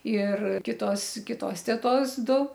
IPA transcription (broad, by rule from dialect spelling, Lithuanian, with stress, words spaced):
ɪr ˈkʲɪtoːs ˈkʲɪtoːs tʲɛˈtoːs ˈdʊ